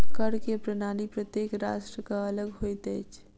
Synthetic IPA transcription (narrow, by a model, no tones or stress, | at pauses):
kəɽkepɾɐnaːnipɾət̪jeːkɾaːʃʈɾəkaɐləɡɦoːit̪ɛːt͡ʃʰ